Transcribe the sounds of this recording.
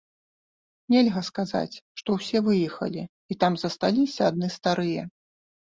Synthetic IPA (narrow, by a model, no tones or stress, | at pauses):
nʲɛlʲɣɐskaza̰t͡sʲʂt̪ɔwsʲɛvɨjɛxɐ̰lʲi | it̪amzɐst̪alʲisʲɐːd̪nɨst̪aɾɨjɐ